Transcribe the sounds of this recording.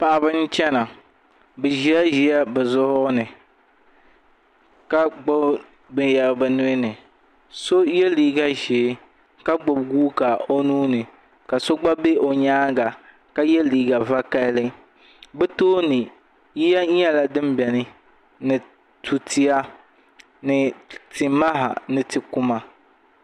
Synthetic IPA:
pa˨ʔa˨bɨ˦n˦t͡ʃɛ˦na˨ | bɨ˨ʒi˨˦a˦ʒi˨˦a˦bɨ˨zʊ˦hʊ˦nɨ˨ | ka˦ɡ͡bʊ˦ | bɨ˦ja˨ɾbɨ˨nʊ˦ɪ˦nɨ˨ | so˦jɛ˦liː˨ɡa˦ʒe˨˦ | ka˦ɡ͡bo˨bɡuː˦ka˨o˦nuː˦nɨ˨ | ka˨so˦ɡ͡ba˦be˦ʔo˨ɲaː˦ɡa˨ | ka˦jɛ˦liː˨ɡa˨va˦ka˦lɨ˦ | bɛ˦toː˦nɨ˨ | ji˦ja˦ɛ˦la˦dɨ˦mbɛ˨nɨ˦ | nɨ˨ | tʰu˨ti˦a˦ | nɨ˨tɪ˨ma˦ɦa̰˨nɨ˨tɨ˨kʊ˦ma˨

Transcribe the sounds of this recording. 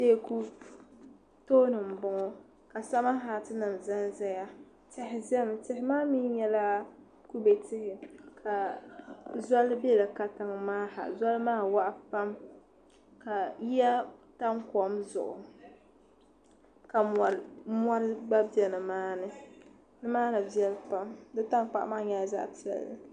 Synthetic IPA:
de˦˨ku˦ | toː˦nɨ˨m̩˨bʊ˨ŋɔ˦ | ka˨sa˦ma˦ɦa˨tɨ˦nɨ˨mza˦nzɛ˦ja˦ | tɛ˨hɪ˨zɛ˦m˨tɛ˨hɪ˦maː˦mi˦ɲɛ˦la˦ | ku˦be˨tɪ˦hɪ˨kʰa˨ | za˦lbɛ˦la˨ka˨ta˨ŋ˨maː˦ha̰˨za˦lmaː˦wa˦ʔa˦pa˦m | ka˨ji˦ja˦ta˦ŋkɔ˨mzʊ̰˨ʔʊ˨ | ka˨m˨mɔ˦ɾɨ˦ɡ͡ba˦bi˦ɛ˨nɨ˨maː˦nɨ˦ | nɨ˦maː˦nɨ˨bi˦ɛ˦lpa˦mdɨ˦ta˦ŋk͡pa̰˦˨ʔmaː˦ɲa˦˨za̰˦ʔti˦a̰˨lɨ˨

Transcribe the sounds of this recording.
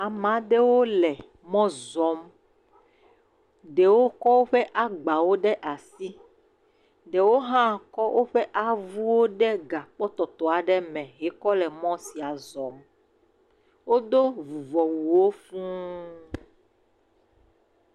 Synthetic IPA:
a˨mã˨˦ɖɛ˦wo˦lɛ˨ | mɔ̃˦zɔ˨˦m | ɖe˨wo˦kɔ˦wo˦ɸɛ˦ʔa˦ɡ͡ba˨wo˦ɖɛ˦ʔa˨si˦ | ɖe˨wo˦ɦã˦kɔ˦wʔo˦ɸɛ˦ʔa˨vu˦wo˦ɖɛ˦ɡa˨k͡pɔ˦t̪ɔ˨t̪ɔ˨a˨ɖɛ˦mɛ̃˨ɦɛ˨˦kɔ˦lɛ˨mɔ̃˦si˨a˨zɔ˨m | wo˦d̪o˦vu˨vɔ˨wu˨wo˦fũ˦

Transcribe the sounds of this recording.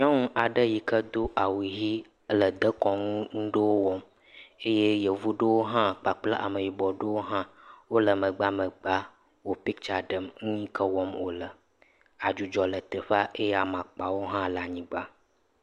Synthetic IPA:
ɲɔ̃˦ŋũ˦ʔa˨ɖə˦ji˨kə˦d̪o˦ʔa˨wi˨ɦi˦ | lə˨d̪ə˦kɔ˨ŋũ˦ŋũ˦ɖə˦wo˦wɔ˦m | e˦je˦jə˨vu˦ɖə˦wo˦ɦã˦k͡pa˨k͡pla˦ʔa̰˨mə˨ji˨bɔ˨ɖə˦wo˦ɦã˦wo˦lə˨mə̃˨ɡ͡ba˦mə˨ɡ͡ba˦ | wo˦pi˦k̚t͡ʃa˨ɖə˨mŋũ˦ɲĩ˦kʰə˦wɔ˦mwo˦lə˨ | a˨d͡ʒu˨d͡ʒɔ˨lə˨t̪ə˨ɸa˦ʔe˦je˦a˨mã˨k͡pa˨wo˦ɦã˦lə˨a˨ɲĩ˨ɡ͡ba˦

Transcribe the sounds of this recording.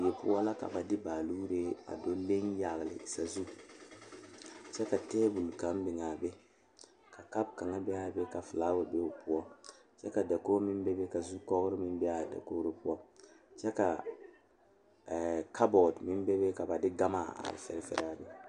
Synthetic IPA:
jɛ˨pʊ˦ɔ˦la˦ka̰˨ba˨dɪ˦baː˨luː˦ɾe˦a̰˨do˦le˦ŋja˨ɣlɪ̰˨i˨sa˨zu˦˨ | t͡ʃɛ˦ka˨tɛː˦bu˨lka˨˦m˦bɪ˨ŋa˨bɛ˦ | ka˨ka˦b̚ka˨ŋa˦bɛ˦a˦˨bɛ˦ka˨fɨ˨laː˦wa˨be˦o˨pu˦ɔ˦ | t͡ʃɛ˦ka˨da˨koː˦mɪ˦n˦bɛ˦be˦ka˨zu˦kɔ˦ɣɾɪ˦mɪ˦n˦bɛ˦a˨da̰˨koː˦ɾe˦pʊ˦ɔ˦t͡ʃɛ˦ka˨ | kʰa˦bɔ˨dmɪ˦n˦bɛ˦be˦ka˨ba˨dɪ˦ɡa˦ma˨a̰˨fɛ̰˨ɾɛ˦fɛ̰˨ɾɛ˦a˨bɛ˦

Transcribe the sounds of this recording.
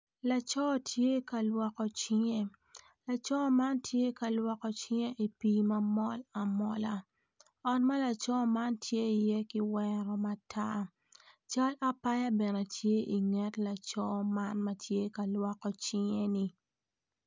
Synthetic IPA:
la˨t͡ʃɔ˦˨tje˦ka˨lwɔ˨kɔ˨t͡ʃɪ˦ŋe˦ | la˨t͡ʃɔ˦ma˦ntje˦ka˨lwɔ˨kɔ˨t͡ʃɪ˦ŋe˦ʔi˨pi˦mɐ˦mɔ˦la˨mɔ̰˦la˨ | ɔ˨nma˦la˨t͡ʃɔ˦ma˦ntje˦i˨jɛ˦kɪ˦wɛ˦ɾɔ˦ma˨tʰa˦ | t͡ʃa˦la˦pa˦ja˦bɛ˨nɛ˨tje˦ʔi˨ŋɛ˦tla˨t͡ʃɔ˦ma˦nma˦tje˦ka˨lwɔ˨kɔ˦t͡ʃɪ˦ŋe˦ni˨

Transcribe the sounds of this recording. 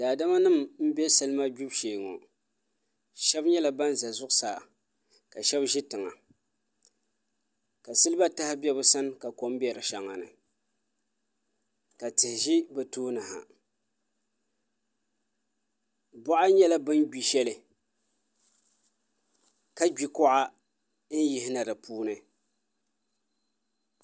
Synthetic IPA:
daː˨da˦ma˦nɨ˦˨mm̩˦bɛ˦sɨ˦lɨ˦ma˦ɡu˦bʃeː˨ŋo̰˨ | ʃɛ˦bɲɛ˦la˨ba˦n˦za˨zʊ˦ʔʊ˦saː˨ | ka˨ʃɛ˦bʒi˦tɨ˨ŋa̰˨ | ka˨sɨ˦lɨ˦ba˦ta˦hɪ˦bɛ˦bʊ˦sa˦n˦ka˨ko˦m˦bɛ˨ɾɨ˨ʃa˨ŋːa̰˨nɨ̰˨ | ka˨tɪ˨hɪ˨ʒi˦bɛ˨toː˦nɨ˨ha̰˨ | bɔ˦ʔa˦ɲɛ˦la˦bɨ˦n˦ɡi˨ʃɛ˦lɨ˨ | ka˦ɡ͡bi˨kɔ˦ʔa˦ | n̩˦ji˨˦hɪ˦na˨dɨ˨pʰuː˦nɨ˨

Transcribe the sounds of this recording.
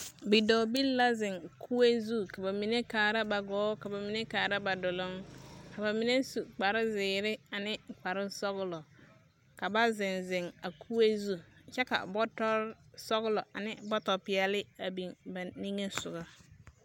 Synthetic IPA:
bi˨dɔ˨bi˦lla˦zɪ˨ŋkʰu˦e˦zu˦˨ka˨ba˨mi˨ne˦kaː˨ɾa˦ba˨ɡɔː˨˦ka˨ba˨mi˨ne˦kaː˨ɾa˦ba˨dʊ˨lʊ˦ŋka˨ba˨mi˨ne˦su˨k͡pa˨ɾɪ˦zɪː˨ɾɪ˦a˨nɪ˦k͡pa˨ɾɪ˦sɔ˦ɣʊ˦lɔ˨ | ka˨ba˦zɪ˨nzɪ˨ŋa˨kʰu˦e˦zu˦˨t͡ʃɛ˦ka̰˨bɔ˦tɔ˦ɾsɔ˦ɡʊ˦lɔ˨a̰˨nɪ˦bɔ˦tɔ˨pɪ˨a˦lɪ˦a˨bi˨ŋba˨ni˦ŋe˦sʊ˨ɡa˦

